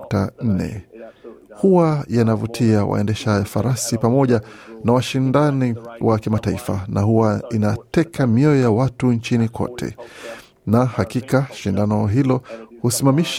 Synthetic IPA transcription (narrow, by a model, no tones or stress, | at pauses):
tan̩nɛ̰ | huwajanavutʰiawa̰ɛndɛʃajafaɾasipamɔʄanawaʃindaniwʔakimataifa̰nahuwainatɛkʰamiɔjɔjawatunt͡ʃinikʰɔ̰tʰɛ̰ | nahakikaʃindanɔɦilɔhusimamiʃ